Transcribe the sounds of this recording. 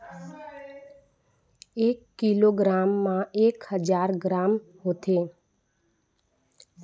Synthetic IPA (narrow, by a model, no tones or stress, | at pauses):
ekːiloɡɾamːãekhəd͡ʒaɾɡɾamɦot̪ʰe